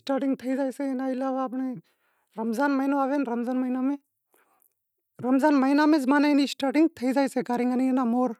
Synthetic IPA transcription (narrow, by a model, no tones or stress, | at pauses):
sʈaːʈiŋɡt̪ʰəizaːjseːnaːilaːʋaːp̬ɳeː | ɾəmzaːnməinoaːʋeːnɾəmzaːnməinaːmẽː | ɾəmzaːnməinaːmẽːzmaːnainisʈaːʈiŋɡ̚t̪ʰəid͡zaːjseːkaɾiŋɡənienaːmoːɾ